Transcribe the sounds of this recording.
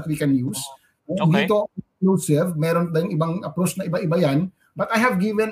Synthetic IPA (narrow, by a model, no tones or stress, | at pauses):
t̪̚wikɛnjus | ond̪iːt̪oklusɪvmɛːɾond̪ɐjʊŋɪbaŋʔɐpɾot͡ʃnɐʔɪbaʔɪbajan | bɐt̪ajhɐvɡivɛn